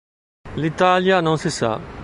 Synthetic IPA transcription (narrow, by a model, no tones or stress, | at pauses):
lit̪aljanõsɪsa̰